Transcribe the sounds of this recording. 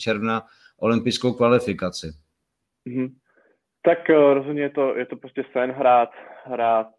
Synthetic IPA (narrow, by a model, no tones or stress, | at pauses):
t͡ʃɛɾvna | ʔo̞lɪmpɪjskowkvalɪfɪkat͡sɪ | m̩ɦm̩ | t̪akɾozɦod̪ɲɛjɛt̪ojɛt̪opɾoscɛsɛnɦɾaːt̪ɦɾaːt̪̚